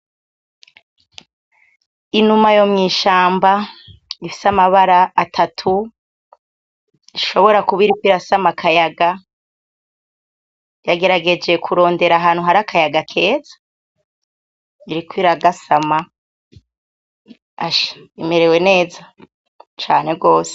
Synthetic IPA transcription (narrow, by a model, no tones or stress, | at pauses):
inumajo̞mŋiːʃaːmbaifi̥samaβaɾaːtʰatʰu | iʃo̞βo̞ɾakuβiɾikwiɾasamakʰajaɡa | jaɡe̞ɾaɡe̞d͡ʒe̞kʰuɾo̞ːnde̞ɾaɦaːn̥huɦaɾakʰajaɡakʰe̞ːzḁ | iɾikwiɾaɡasama | aʃḁime̞ɾe̞we̞ne̞ːza | t͡ʃaːne̞ɡo̞ːse̥